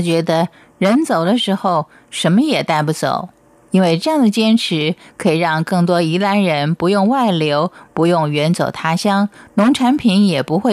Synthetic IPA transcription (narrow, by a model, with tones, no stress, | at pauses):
t͡ɕɥɛ˧˥d̪ə˧ | ɻə˧˥nt͡so˨˩ʊd̪ə˦ʂɻ̩˧˥xo˥˧ʊ | ʂə˧˥nmə˧jɛ˨˩t̪a˥˧ɪpu˥˩t͡so̰˨˩˦ʊ | i˥nwe˥˧ɪʈ͡ʂɤ˥˧jɑ˥˩ŋd̪ə˩t͡ɕjɛ˥nʈ͡ʂʰɻ̩˧˥kʰɤ˧˥i˨˩ɻɑ˥˧ŋkɤ˥˩ŋt̪̬wɔ˥i˧˥la˧˥nɻə˧˥npu˧˥jʊ˥˧ŋwa˥˩ɪljo˧˥ʊpu˧˥jʊ˥˩ŋɥɛ˧˥nt͡so˨˩ʊt̪ʰa˥ɕjɑ˥ŋnʊ˧˥ŋʈ͡ʂʰa˧˥npʰi˧˥njɛ˨˩pu˧˥xwe˥˩